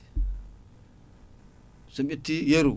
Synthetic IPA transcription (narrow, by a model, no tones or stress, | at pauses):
sumʲitːijeɾu